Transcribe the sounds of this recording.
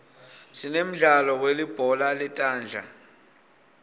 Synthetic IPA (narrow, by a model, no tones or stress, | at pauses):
sinem̩ɮalɔk̬welib̥ʱɔlalɛtʼaːnd͡ɮʱa̰